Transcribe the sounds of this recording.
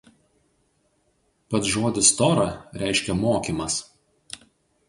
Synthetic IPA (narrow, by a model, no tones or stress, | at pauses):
pɐt̪ʒoːd̪ʲɪst̪ɔɾɐɾʲɛˑɪʃʲkʲɛmoːkʲimɐs